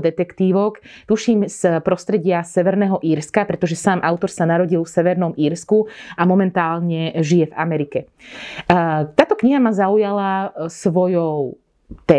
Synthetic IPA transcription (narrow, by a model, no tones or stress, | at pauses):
d̪ɛt̪ɛkt̪iːʋɔk | t̪uʃiːmspɾɔst̪ɾɛɟɪasɛʋɛɾnɛːɦɔʔiːɾskapɾɛt̪ɔʒɛsaːmʔaʊt̪ɔɾsanaɾɔɟilfsɛʋɛɾnɔmiːɾskuamɔmɛnt̪aːlɲɛʒijɛva̰mɛɾikɛ | t̪aːt̪ɔkɲiɦamazaujalasʋɔjɔʊ | t̪ɛ